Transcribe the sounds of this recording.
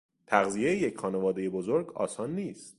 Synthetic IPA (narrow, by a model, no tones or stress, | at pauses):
t̪ʰæɣzije̞jejecʰχɒːne̞vɒːd̪e̞je̞bozoɾɡɒ̰ːsɒːnːiːst̪